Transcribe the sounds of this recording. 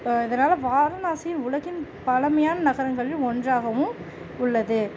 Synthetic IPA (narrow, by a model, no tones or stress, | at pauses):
ɪðɐnaːlɐʋaːɾɐnaːsɪjɪnʊɻɐɣɪnpɐlɐmɐjaːnɐnɐɣɐɾɐŋɡɐɭɪlɔndraːɣɐʋɯm | ʊɭːɐðɯ